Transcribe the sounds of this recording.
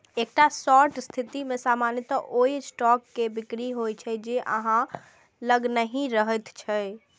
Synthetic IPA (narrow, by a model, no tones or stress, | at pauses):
ek̚ʈasɔɾʈst̪ʰit̪imẽsamanjət̪əʔoisʈɔkːebikɾiɦojt͡ʃʰɛd͡ʒeʔə̰ɦã | ləɡnəɦĩɾəɦət̪t͡ʃʰɛ